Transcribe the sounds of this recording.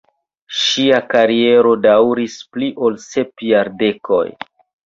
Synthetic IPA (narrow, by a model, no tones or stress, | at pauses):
ʃiakaɾie̞ɾo̞dawɾispliʔo̞lse̞pjaɾde̞kʰo̞̰j